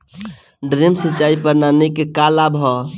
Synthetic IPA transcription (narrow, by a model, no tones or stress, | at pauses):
ɖɾemsit͡ʃaipəɾnanikekalabʱɦɔ